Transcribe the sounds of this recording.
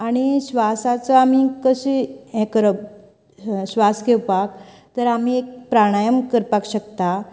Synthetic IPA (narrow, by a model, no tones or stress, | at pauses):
aɽ̃iɕʋasat͡səamikəɕiẽkɾəb | ɕʋaskewpak̚ | t̪əɾam̤iek̚pɾaɽ̃ajəmkəɾpakɕəkt̪a